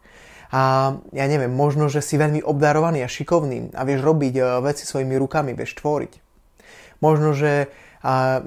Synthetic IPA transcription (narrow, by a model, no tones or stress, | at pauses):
jaːɲɛʋɪɛmːɔʒnɔʒɛsiʋɛʎmiʔɔbd̪aɾɔʋaniːaʃikɔʊnḭːa̰ʋɪɛʒɾɔbiɟʋɛt͡si̥sʋɔjimiɾukamiʋɪɛ̰ʃt̪ʋɔɾḭc | mɔʒnɔʒɛ